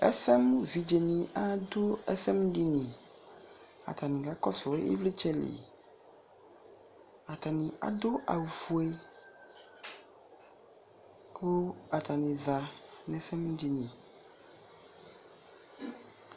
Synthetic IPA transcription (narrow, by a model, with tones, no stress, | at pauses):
ɛ̰˦sɛ˦mvi˨d͡ʒe˨nĩ˨ʔa˦d̪o˦ɛ˦sɛ˦m˦ɖi˦nĩ˨ | a̰˨t̪a˨nĩ˨ɡa˦kɔ˦sɔ˨˦ḛ˦vle˦t͡ʃɛ˦lḭ˨ | a˨t̪a˨nĩ˨ʔa̰˨d̪o˦ʔa̰˨wu˨fu˨e˦ | ko˦a˨t̪a˨nẽ˨za˨nɛ̃˦sɛ˦m˦di˦nĩ˨